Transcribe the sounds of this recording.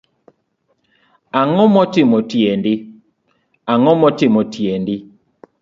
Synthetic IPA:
aŋɔmɔtɪmɔtjendɪ | aŋɔmɔtɪmɔtjendɪ

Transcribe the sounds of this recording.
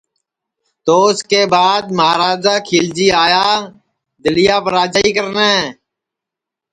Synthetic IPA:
t̪oːskeːbaːd̪̚məaːɾaːd͡ʒaːkʰiːld͡ʒiːaːjaː | d̪əlɪjaːpəɾaːd͡ʒaːiːkəɾnaːɦɛ̃ː

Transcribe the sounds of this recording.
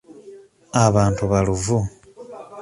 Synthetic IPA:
aβaːntuβaluvu

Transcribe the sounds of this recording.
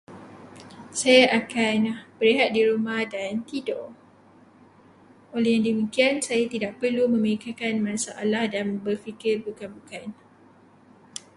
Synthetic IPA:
sajaʔakanahb̥əɾiɦat̪̚diɾumahdant̪idoʔ | ʔolɛhjaŋdimikiansajat̪idaʔpərlumə̃məikakanmãsaʔalahdanbərfikɪrbukanbukan

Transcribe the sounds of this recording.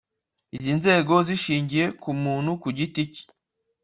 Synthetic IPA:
izinze̞ːɡo̞ziʃiːɲɟije̞kumuːn̥hukuɟitici̥

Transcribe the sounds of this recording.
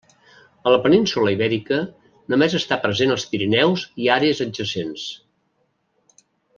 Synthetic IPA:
ələpəninsuləiβɛɾikə | nomezəst̪apɾəzenəlˠspiɾinɛwziaɾeəzəʒəsens

